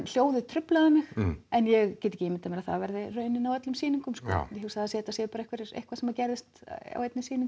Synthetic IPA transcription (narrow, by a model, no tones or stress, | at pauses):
l̥joːwðɪt̪ʰɾʏplaðamɪxɛnjɛɣcɛt̪e̥cɪemɪnt̪amɛɾaðθa̰vɛɾðɪrœːɥnɪnawœt̪lʏmsiːniŋkʏmskɔ̰jhɛsθaðasɛːt̪asɛːɪpːɾehkvɛɾɪɾḛjhkvasɛmacɛɾðɪst̪a̰wejt̪nɪsiːniŋk